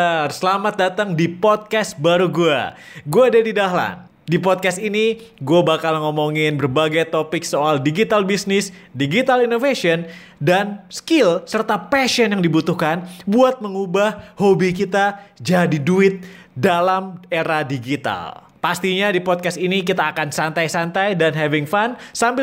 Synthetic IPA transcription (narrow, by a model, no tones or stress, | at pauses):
arsəlamat̪̚dat̪əŋdipɔd̪̚kast̪̚baɾuɡua̰ | ɡuaːdadidaɦla̰n | dipɔd̪̚kast̪ini | ɡuabakalməŋomoŋɪnbərbaɡajt̪opɪk̚soaldiɡit̪albisnɪsdiɡit̪alinofasiɔn | danskɪlsərt̪apɛʃiɔnjaŋdibut̪uhkanbuat̪̚məŋubahhobik̬it̪ad͡ʒadiduɪt̪̚ | dalameɾadiɡit̪a̰l | past̪iɲadipɔd̚kast̪inik̬it̪aːkansant̪ajsant̪ajdanɦɛvɪŋfansambɪ